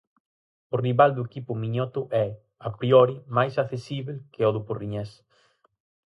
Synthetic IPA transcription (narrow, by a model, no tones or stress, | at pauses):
ʊriβald̪ʊekipʊmiɲɔt̪ʊʔɛ | apɾiɔɾimajsakθesiβelkɪoðʊporiɲɛs